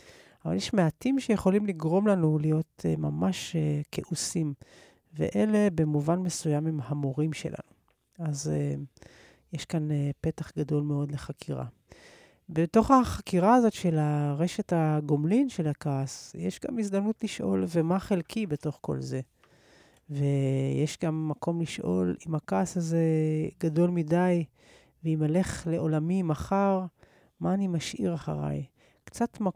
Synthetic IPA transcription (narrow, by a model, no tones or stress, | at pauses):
ava̰ljeʃmeatimʃejeχo̞limliɡʁo̞mlanulijo̞temamaʃekʰeʔusim | vḛʔe̞le̞be̞muvanmesujamimhamoʁimʃe̞̰lʔa̰nu | aze | jeʃkanepe̞taχɡado̞lmeo̞dle̞χakʰiʁa̰ | beto̞χaχakiʁaazo̞tʃe̞laʁe̞ʃe̞thaɡomlinʃelakaːsjeʃɡa̰misd̪amnutliʃʔo̞lvemaχelkʰibeto̞χko̞̰lze̞ | vejeʃɡamːakʰo̞mliʃʔo̞̰limakaːsaze̞ɡado̞lmidaj | veimele̞χle̞ʔo̞lamimaχaʁ | maːnimaʃʔiʁaχa̰ʁa̰j | kt͡satma